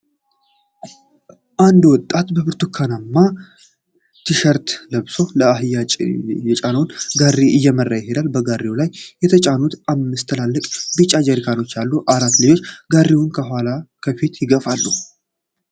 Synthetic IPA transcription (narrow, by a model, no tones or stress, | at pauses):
ʔand̪wɔt̪ʼːat̪bəbɨɾt̪ʰukʰːanamːa | t̪ʰiʃəɾt̪ləβso̞ləaɦɨjajɛt͡ʃʼanəwnɡarːiʔɨjːɛmərːajɪhed̪albəɡarːiwlajːɛt̪ʰət͡ʃʼanut̪amːɨst̪ʰəlalːəkʼbɨt͡ʃʼːad͡ʒəɾikʰano̞t͡ʃːalːuʔaɾat̪ːlɨjo̞t͡ʃːɡarːiwʊnkʰəɦalakʰəfit̪jɪɡəfalːu